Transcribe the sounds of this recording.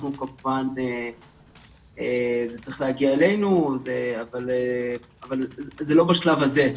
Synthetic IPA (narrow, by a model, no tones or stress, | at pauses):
nukamupane | ezet͡sʁi̥χlehaɡiaele̞jnuzeavale | avalzelo̞baʃlavaze̞